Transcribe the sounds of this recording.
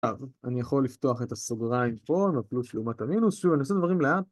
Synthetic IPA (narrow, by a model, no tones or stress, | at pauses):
avanijaχo̞lift̪o̞aχe̞t̪asoɡʁaimpo̞maplusleumataminusʃuvaniosed̪vaʁimleat